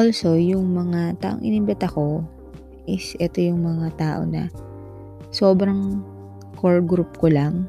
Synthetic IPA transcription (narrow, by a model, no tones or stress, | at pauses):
ʔolsojʊŋmɐŋat̪a̰ːʔoŋʔɪnɪmbɛnt̪ɐko̞ | ʔɪsʔɛt̪o̞jʊŋmɐŋat̪aːʔo̞̰nɐ̰ | so̞ːbɾɐŋ | kʰolɡɾup̚kolaŋ